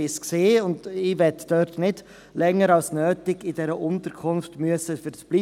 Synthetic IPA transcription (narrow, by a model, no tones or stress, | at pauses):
ɪskseːʊndɪʋɛtd̥œɾtnɪd̥ | lɛŋːəɾɑlsnøːtɪɡɪdɛɾəʔʊntəɾkʰʊnftmyəsəfyɾsb̥liː